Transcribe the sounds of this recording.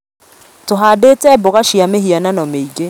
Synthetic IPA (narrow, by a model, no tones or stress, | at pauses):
toɦadeːtɛboɣaʃiameɦiananɔmeiɡe